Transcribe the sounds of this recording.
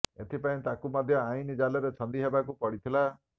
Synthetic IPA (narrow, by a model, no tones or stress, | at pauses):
et̪ʰipaĩt̪akumɔd̪ʱjɔãĩnid͡ʒalɔɾet͡ʃʰɔnd̪iɦebakupɔɽit̪ʰila